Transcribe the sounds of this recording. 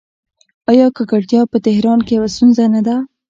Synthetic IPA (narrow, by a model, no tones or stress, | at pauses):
ɑjɑkəkaʈjɑpət̪ɪhɾɑnkejawast̪unzanad̪a